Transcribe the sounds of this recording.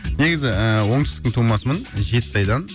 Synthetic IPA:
ne̞ɡʲɪzɪəwo̞ɴt̪ɪsk̪ʲɪŋt̪ʰumɑsəmənʒe̞t̪ɪ̥sɑjd̪ɑn

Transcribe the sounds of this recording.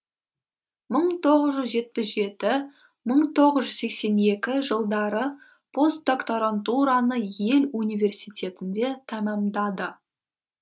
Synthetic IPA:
məɴt̪ʰo̞ʁəzʒʏzʒe̞t̪̚pɪsʒe̞t̪ɪ | məɴt̪ʰo̞ʁəzʒʏzse̞kse̞ne̞kʲɪʒəlˠd̪ɑɾə | pʰo̞st̪̚d̪o̞kt̪oɾant̪uɾanəje̞lunijvʲe̞rsijt̪ʲe̞t̪ɪnd̪e̞t̪ʰɑmɑmd̪ɑd̪ə

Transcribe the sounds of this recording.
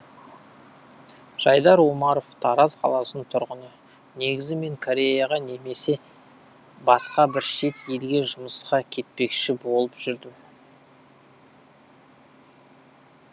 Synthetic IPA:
ʒ̥ɑjd̪ɑɾwomɑɾo̞ft̪ʰɑɾɑzqʰɑ̰lˠɑsənt̪ʰʊɾʁənə | ne̞ɡʲɪzɪme̞ŋkʰoɾʲe̞jɑʁɑne̞me̞se̞ | bɑsqɑbɪɾʃe̞t̪jelɡʲe̞ʒʊməsqɑkʲʰe̞t̪̚pe̞kʃɪbo̞lˠəpʒ̥ʏɾd̪ɪm

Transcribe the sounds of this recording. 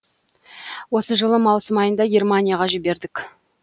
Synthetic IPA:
wo̞səʒəlˠəmɑwsəmɑjənd̪ɑɡʲe̞rmanʲijaʁɑʒɪbe̞ɾd̪ɪk

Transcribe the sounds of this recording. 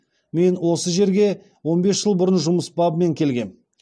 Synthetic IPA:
me̞nwo̞səʒe̞ɾɡʲe̞ | wo̞nbe̞sʒ̥əlˠbʊɾənʒʊməsbɑbme̞ŋkʲʰe̞lɡʲe̞n

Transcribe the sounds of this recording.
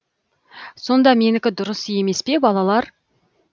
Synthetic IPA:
so̞nd̪ɑme̞nɪkʲɪd̪ʊɾəsje̞me̞spe̞bɑlˠɑlˠɑɾ

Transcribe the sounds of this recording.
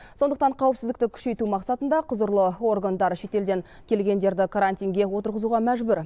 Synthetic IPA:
so̞nd̪əq̚t̪ɑɴqʰɑwəpsɪzd̪ɪk̚t̪ɪkʲʰʏ̥ʃe̞jt̪umɑqsɑt̪ənd̪ɑqʰʊzəɾlˠəo̞rɡand̪ɑɾʃe̞t̪e̞ld̪e̞ŋ | kʲʰe̞lɡʲe̞nd̪e̞ɾd̪ɪkʰaɾant̪ʲijŋɡʲe̞wo̞t̪əɾʁəzuʁɑmæʒbʏɾ

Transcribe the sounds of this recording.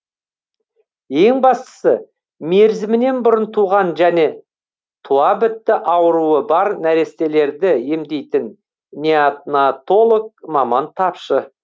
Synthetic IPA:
je̞ŋbɑst̪ə̥sə | me̞ɾzɪmɪne̞nbʊɾənt̪ʰuʁɑnʒæne̞ | t̪ʰuɑbɪt̪ːɪʔɑwəɾuəbɑɾnæɾe̞st̪e̞le̞ɾd̪ɪje̞md̪e̞jt̪ɪn | nʲeat̪nat̪o̞lˠok̚mɑmɑnt̪ʰɑpʃə

